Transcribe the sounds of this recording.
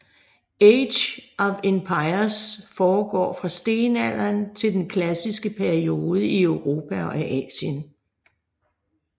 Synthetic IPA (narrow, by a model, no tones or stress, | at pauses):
eɪdɕʔɒ̽ʋempʰɑ̈ɪɐsfɒːɡ̥ɒ̰ːfʁɑ̈sd̥e̝ːnæl̰ɐnt͡sʰe̝ld̥enkʰlæsisɡ̥əpʰæɐio̝ːð̩ˠəiøʊʁo̝ːpʰæɒ̽ʔæʔɛ̰ːɕən